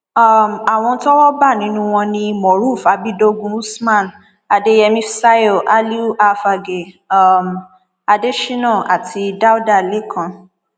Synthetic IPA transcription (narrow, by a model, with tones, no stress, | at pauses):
a˦˨m˨a˨w̃ɔ̃˧n̩˦tɔ˦wɔ˦ba˦˨nĩ˨˦nũ˦w̃ɔ̃˧nĩ˧mɔ˨ɾu˦˨fa˧bi˦do˧ɡũ˧˦u˦smã˦˨n | a˧de˦jɛ˧mĩ˦sa˦jo˦˨ʔa˦li˦a˧fa˧ɡe˨˦˨ | m | a˧de˦ʃĩ˦nɔ̃˦˨ʔa˨tʰi˧da˦u˦da˦˨le˦˨kʰã˧